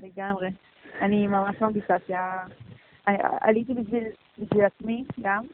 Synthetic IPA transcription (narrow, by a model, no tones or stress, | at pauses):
leɡamʁe | animamaʃmamɡisasia | a̰a̰lit̪̬ibiʃvil | biʃvilat͡smiɡam